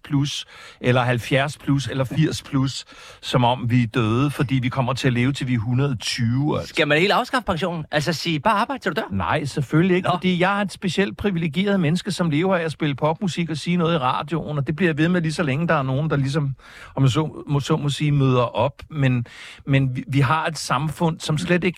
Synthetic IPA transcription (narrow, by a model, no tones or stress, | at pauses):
pʰlusʔelɐɦælfjæɐspʰluselɐfiɐ̰spʰlusː | ɒ̽mɒ̽mʋid̥øːð̞ˠəfɒ̽d̥ḭːʋikʰɒ̽m̰ɐt͡sʰe̝æle̝ːʊt͡sʰe̝lʋiɦunɐðˠt͡sʰyːʊæl̰sæmænhḛːlɑ̈ʊsɡ̥ɑ̈fəpʰɑ̈ŋɕo̝̰ːnn̩ʔælsɐsiːb̥ɑ̈ːɑ̈ːb̥ɑ̈ɪd̥sdud̥æɐ̰nɑ̈ɪ̰seføllieɡ̥fɒd̥ḭːjɑ̈ɪæɐe̝d̥sb̥e̝siel̰d̥̚pʰʁiʋileɡ̥je̝̰ːɐð̞̩ˠmenəsɡ̥əsɒ̽mle̝ːʊɐɛæsb̥e̝ləpʰɒ̽b̥̚musiɡ̥ɒ̽siːnɔ̽ːð̞̩ˠiʁɑ̰̈ːd̥jo̝̰n̩ɒ̽d̥e̝b̥liɐjaʋe̝ð̩ˠmelisɒ̽leŋəd̥ɑ̈æɐno̝ːn̩d̥ɑ̈lis̬ɒ̽m | ɒmsɔ̰mosɔ̰mosiːmøð̞ˠɐʔɒ̽b̥menmenʋiɦɑ̈e̝d̥sɑ̈mfɔ̽n̰sɒ̽msled̥e̝ɡ̥